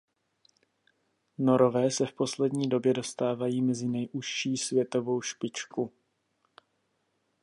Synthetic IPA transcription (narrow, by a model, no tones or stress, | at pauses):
no̞ɾo̞vɛːsɛfpo̞slɛdɲiːdo̞bjɛdo̞st̪aːvajiːmɛzɪnɛjʔuʃt͡ʃiːsvjɛt̪o̞vo̞wʃpɪt͡ʃku